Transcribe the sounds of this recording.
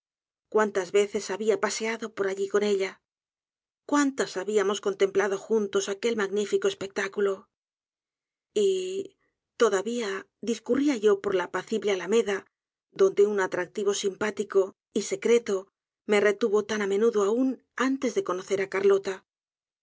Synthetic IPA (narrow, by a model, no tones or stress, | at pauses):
kwant̪azβe̞θe̞saβiapase̞aðo̞po̞ɾaʎiko̞ne̞ʎa | kwant̪asaβiamo̞sko̞nt̪e̞mplaðo̞xunt̪o̞sake̞lmaɣnifikoe̞spe̞k̚t̪akulo̞ | i | t̪o̞ðaβia | ðiskuriaʝo̞po̞ɾlapaθiβlealame̞ða | ðond̪e̞unat̪ɾak̚t̪iβ̞o̞simpat̪iko̞ | ise̞kɾe̞t̪o̞ | me̞re̞t̪uβo̞t̪anamẽ̞nuðoaun | ant̪e̞zðe̞ko̞no̞θe̞ɾakaɾlo̞t̪a